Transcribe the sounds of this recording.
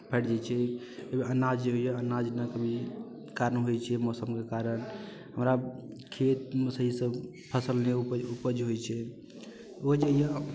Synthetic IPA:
pʰɛʈd͡ʒat͡ʃʰɛ | ebeʔənad͡ʒeɦojaənad͡ʒnakəbʱi | kaɾənɦojt͡ʃʰɛmɔsəmkekaɾən | ɦəmɾa | kʰet̪̚məsəɦisəb | pʰəsəlneupupəd͡ʒɦojt͡ʃʰɛ | od͡ʒeja

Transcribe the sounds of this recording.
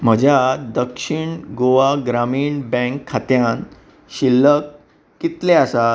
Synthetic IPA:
m̤əd͡ʑʱjad̪əkʂiɳɡoʋaɡɾamiːɳbɛ̃ŋkʰːat̪jãn | ɕilːəkː | it̪leasa

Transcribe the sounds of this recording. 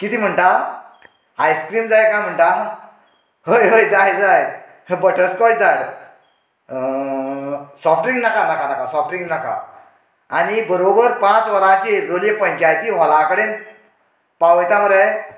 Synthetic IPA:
kit̪ʰim̤əɳʈaw | ajskɾiːmd͡zajkãjm̤əɳʈa | ɦəjɦəjd͡zajd͡zaj | bəʈʰəskɔjd͡zaɽ | sɔfʈɾĩŋɡnakanakanakasɔfʈɾiŋɡnaka̰ | anibəɾobəɾpãt͡sʋəɾãt͡ɕeɾolijepɔ̃jɲt͡ɕiajt̪iʋɔlãkəɽen | pawjt̪aməɾaj

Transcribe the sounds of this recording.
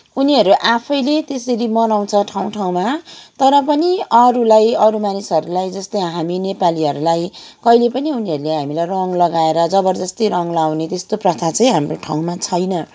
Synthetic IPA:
uniɦʌɾuʔapʰʌjlet̪esʌɾimʌnaw̃t͡sʰʌʈʰaw̃ʈʰaw̃mat̪ʌɾʌpʌniʌɾulajʌɾumanisɦʌɾulajd͡zʌst̪ʌjɦaminepaliɦʌɾulaj | kʌjlepʌniuniɦʌɾuleɦamilajrʌŋlʌɡaeɾʌd͡zʌbʌrd͡zʌst̪ʌjrʌŋlawnet̪est̪oprʌt̪ʰat͡sʌ̃ĩɦamroʈʰa̰w̃mat͡sʰʌjnʌ

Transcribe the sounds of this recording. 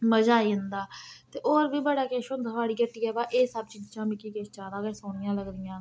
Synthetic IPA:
məd͡ʒaːiːʊnd̪aːt̪eːʔoːɾbiːbəɽaːkeːʃõnd̪ɦʋaːɽiːkəʈːiːɛːbaːʔeːsəb̚t͡ʃiːd͡ʒt͡ʃãːmɪkiːkeːʃt͡ʃaːɾaːɡeːsoːɽɪjãːləɡɾɪjãː

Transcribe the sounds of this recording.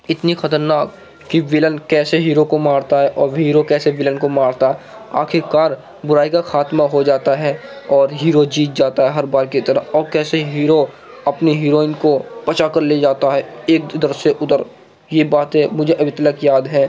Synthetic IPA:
ɪt̪nixɐt̪əɾnaːkː | iʋɪlənkɛːseɦiːɾokomaːɾt̪aɦɛʔɔːɾɦiːɾokɛːseʋɪlənkomaːɾt̪aɦɛ | a̰ːkʰɪɾkaːɾ | bʊɾaːikaxaːt̪maɦod͡ʒaːt̪aɦɛɔːɾɦiːɾod͡ʒiːt̪̚d͡ʒaːt̪aɦɛɦɐɾbaːɾkit̪ɐɾəɔːɾkɛːseɦiːɾo | ɐpniɦiːɾoːɪnkopɐt͡ʃakəɾled͡ʒaːt̪aɦɛeːk̚d̪əɾseʔʊt̪əɾ | jebaːt̪ɦɛmʊd͡ʒʱeʔɐbʱɪt̪ələkjaːd̪ɦɛː

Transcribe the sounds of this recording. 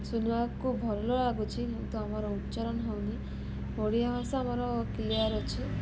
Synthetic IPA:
sunakubʱɔɾɔlɔlaɡut͡ʃʰikint̪uamɔɾɔutːt͡ʃɔɾɔnɔɦewni | ɦoɽiabʱasaːmɔɾɔkiliaɾɔt͡ʃʰi

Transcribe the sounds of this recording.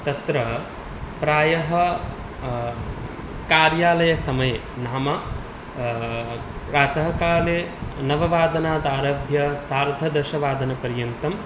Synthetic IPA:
t̪ɐt̪ɾɐ | pɾaːjɐɦɐ | kaːɾjaːlɐjɐsɐmɐje | naːmɐ | ɾaːt̪ɐɦɐkaːleːnɐʋɐʋaːd̪ɐnaːd̪aːɾɐbʱjɐsaːɾd̪ʱɐd̪ɐʃɐʋaːd̪ɐnɐpɐɾjɐnt̪ɐm

